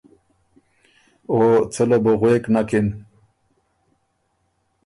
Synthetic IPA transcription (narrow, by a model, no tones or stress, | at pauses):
ot͡səloboɣweknakin